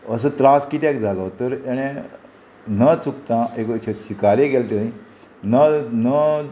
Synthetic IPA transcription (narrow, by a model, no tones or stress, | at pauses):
əsət̪ɾaskit̪ɛkd͡zʱalɔt̪əɾeɽ̃ẽ | nət͡sukt̪ãekt͡ɕʰeɕikaleɡɛlt̪ẽĩ | nənə